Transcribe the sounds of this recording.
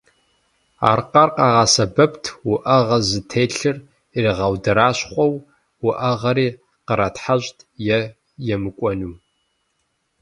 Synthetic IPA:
a̰ːrqɐrqɑːʁɑsɐbɐptʰwʊʔɐʁɐzɨtʰeːɬɨr | iriʁɐwdɐɾaːɕχʷɔw | wʊʔɐʁɐɾiː | qəɾatħaɕtʰʼjɛ | jɛmɨkʷʼɔnuː

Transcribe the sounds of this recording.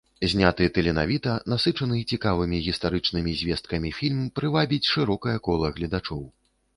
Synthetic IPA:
zʲnʲat̪ɨɛt̪ɨlʲɛna̰vʲit̪ɐnasɨt͡ʂɐnɨit͡sʲikavɨmʲiɣʲist̪aɾɨt͡ʂnɨmʲizʲvʲɛst̪̚kɐmʲifʲilʲmpɾɨvabʲit͡sʲʂɨɾɔkɐjɐkɔlˠɐɣlʲɐd̪at͡ʂɔw

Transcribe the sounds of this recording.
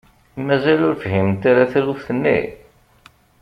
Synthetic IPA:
mæzælʊɾfɦimt̪aɾaθlufθənːḭ

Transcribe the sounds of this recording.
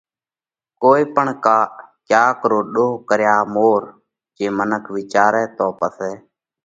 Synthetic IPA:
koːiːpəɳkaːkjaːkəɾoːɗoːkəɾjaːmoːɾ | d͡ʒeːmənəkʰʋɪt͡ʃaːɾɛːt̪oːpəsɛː

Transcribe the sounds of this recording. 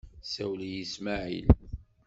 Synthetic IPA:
sæwlijismaʕḭl

